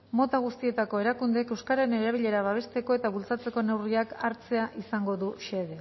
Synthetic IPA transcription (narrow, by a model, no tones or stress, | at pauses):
mo̞t̪aɣ̞ust̪ie̞t̪ako̞e̞ɾakund̪ekewskaɾaene̞ɾaβ̞iʎe̞ɾaβaβ̞e̞st̪e̞ko̞e̞t̪aβult͡sat͡se̞ko̞ne̞wriakaɾt͡se̞aʔisaŋɡo̞ðuʃe̞ðe̞